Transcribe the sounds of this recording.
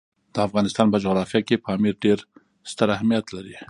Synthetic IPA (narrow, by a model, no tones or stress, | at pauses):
d̪̥əafɣɑnɪst̪ɑːnpad͡ʒoɣɾɑfijakepʰɑmiɾɖeɾ | st̪əɾahmijat̪laɾi